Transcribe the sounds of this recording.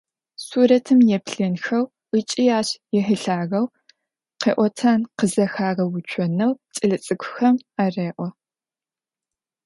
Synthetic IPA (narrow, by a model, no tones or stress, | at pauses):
suːɾɐtʰɨmjɛpɬɐnxɐw | ʔət͡ʃʼiːaːɕjɛɦɨɬaːɣɐw | qeːʔʷɔtʰaːnqəzɐxaːʁɐwʊt͡ʃʷʰɔnɐwt͡sʼɨɮɨt͡sʼɨkʷʰʊxɐmaːreːʔʷɔ